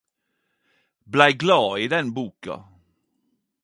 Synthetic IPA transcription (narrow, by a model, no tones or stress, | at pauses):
blæɪɡlɑːiːd̪ɛnbuːkɑ̰